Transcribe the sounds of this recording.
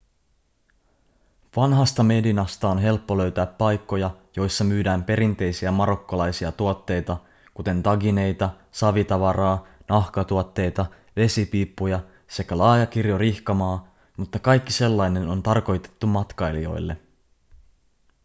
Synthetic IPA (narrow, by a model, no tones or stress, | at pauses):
ʋɑnɦɑst̪ɑme̞dinɑst̪ɑonɦe̞lpːo̞lø̞ɥt̪æːpːɑjkːo̞jɑjo̞jsːɑmyːdæːmpe̞ɾint̪e̞jsiæmɑɾo̞kːolɑjsiɑt̪uot̪ːe̞jt̪ɑ | kut̪e̞nt̪ɑɡine̞jt̪ɑ | sɑʋit̪ɑʋɑɾɑːnɑhkɑt̪uot̪ːe̞jt̪ɑ | ʋe̞sipiːpːujɑ | se̞kælɑːjɑk̟irjoriçkɑmɑː | mut̪ːɑkɑjkːise̞lːɑjne̞no̞nt̪ɑrko̞jt̪e̞̥t̪ːumɑt̪kɑjlio̞̰jlːe̞̰